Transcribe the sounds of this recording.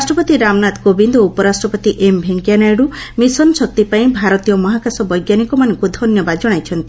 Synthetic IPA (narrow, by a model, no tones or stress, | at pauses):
asʈɾɔpɔt̪iɾamnat̪kobind̪ɔupɔɾasʈɾɔpɔt̪iʔembʱeŋkjanajɽumisɔnɔsɔk̚t̪ipaĩbʱaɾɔt̪ijɔmɔɦakasɔbɔjɡjanikɔmanɔŋkud̪ʱɔnjɔbad͡ʒɔɽ̃ajt͡ʃʰɔnt̪i